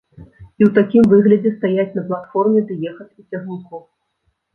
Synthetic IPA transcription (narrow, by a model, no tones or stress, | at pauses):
iwt̪akʲimvɨɣlʲɐd͡zʲɛst̪ajat͡sʲnɐplˠat̪fɔrmʲɛd̪ɨjɛxɐt̪ʲit͡sʲaɣʲunku